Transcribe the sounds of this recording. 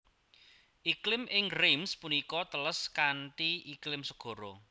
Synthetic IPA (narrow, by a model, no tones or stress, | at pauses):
ʔiklɪmʔɪŋremspunikɔt̪ələskanʈiʔiklɪmsəɡ̥ɔ̤ɾɔ